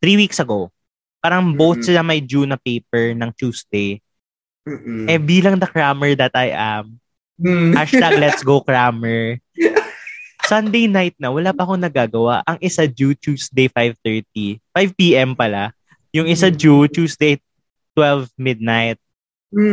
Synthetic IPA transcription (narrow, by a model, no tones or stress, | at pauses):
t̪ɾiːwiksɐɡo | paːɾɐŋbowθ̚sɪnɐmɐjd͡ʒunɐpejp̚ɛɹnɐŋt͡ʃuːsd̪ej | ʔɛbiːlɐŋd̪ɐkɹamɛɹd̪ɐt̪ajʔam | ʔaʃt̪aɡlɛt̪sɡowkɹamɛɹ | sɐnd̪ejnajt̪̚nɐwɐlaːpɐɐkonɐɡaːɡɐwaʔɐŋʔɪsad͡ʒut͡ʃuːsd̪ejfajvt̪ɛɹt̪̚ifajvpiːʔɛmpɐla | jʊŋɪsad͡ʒut͡ʃuːsd̪ej | t̪wɛlvmɪd̪̚najt̪̚